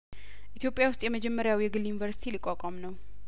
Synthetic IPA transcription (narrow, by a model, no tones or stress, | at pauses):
ʔit̪ʰjopʼːjawʊst̪ʼjɛməd͡ʒɛmːəɾjawjɛɡɨljunivəɾsi̥t̪ʰilikʼːakʷʼamnəw